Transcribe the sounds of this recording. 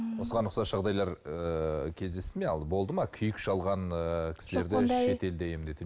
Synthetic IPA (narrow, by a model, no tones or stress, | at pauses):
wo̞səʁɑnəqsɑsʒ̥ɑʁd̪ɑjlˠɑɾəkʲʰe̞zd̪e̞st̪ɪme̞ɑlˠbo̞lˠd̪əmɑkʲʰʏjɪkʃɑlˠʁɑnəkʲʰɪ̥sɪle̞ɾd̪ɪʃe̞t̪e̞ld̪æje̞md̪e̞t̪